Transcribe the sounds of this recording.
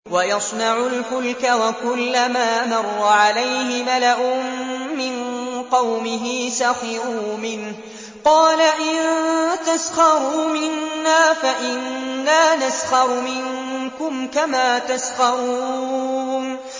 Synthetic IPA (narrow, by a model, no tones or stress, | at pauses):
wajɑsˤnɑʕʊlħʊlkawakʊlːamaːmɑrˤːɑʕalajhɪmalaʔʊmːɪnqɑwmɪɦiːsaxɪɾuːmɪnh | qɑːlaʔɪnt̪asxɑɾuːmɪnːaːfaʔɪnːaːnasxɑɾˤmɪŋ | kʊmkamaːt̪asxɑɾˤu | n